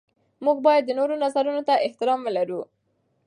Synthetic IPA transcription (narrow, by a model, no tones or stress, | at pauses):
muɡ̚bɑjad̪ːənoɾonazaɾunot̪aʔɪht̪ɪɾɑmwəlaɾu